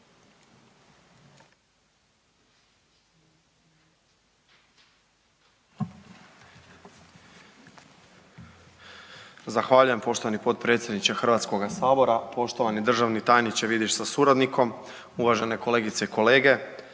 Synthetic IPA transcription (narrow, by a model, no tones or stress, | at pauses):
zaxʋaːʎuje̞mpo̞ʃt̪o̞ʋanipo̞t̪̚pɾe̞ːt̪sjed̪nit͡ɕaxr̩ʋat̪sko̞ɡasaːbo̞ɾapo̞ʃt̪o̞ʋanid̪r̩ʒaʋnit̪ajnit͡ɕeʋid̪iʃsasuɾad̪nikʰo̞m | uʋaʒe̞ne̞ko̞le̞ːɡit̪se̞iko̞leːɡe̞